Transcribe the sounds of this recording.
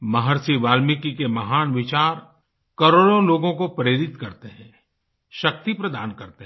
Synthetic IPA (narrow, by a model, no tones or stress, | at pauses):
mɐɦəɾsiʋaːlmikikemɐɦaːnʋɪt͡ʃaːɾ | kɐɾoːɽõloːɡõkopɐɾeːɾɪt̪kɐɾt̪eɦɛ̃ː | ʃɐk̚t̪ipɾɐd̪aːnkɐɾt̪e